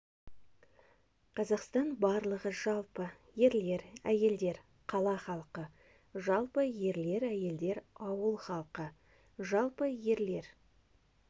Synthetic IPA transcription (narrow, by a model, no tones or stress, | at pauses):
qʰɑzɑqst̪ɑnbɑɾlˠəʁəʒɑlˠpə | je̞ɾle̞ɾæje̞ld̪e̞ɾ | qʰɑlˠɑχɑlˠqə | ʒɑlˠpəje̞ɾle̞ɾæje̞ld̪e̞ɾɑwəlˠχɑlˠqə | ʒɑlˠpəje̞ɾle̞ɾ